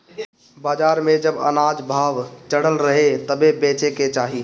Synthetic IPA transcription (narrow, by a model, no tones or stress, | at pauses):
baːd͡ʒaːɾmẽd͡ʒəbə̰naːd͡ʒbʱaːʋt͡ʃəɽəlɾəɦet̪əbebeːt͡ʃeket͡ʃaːɦiː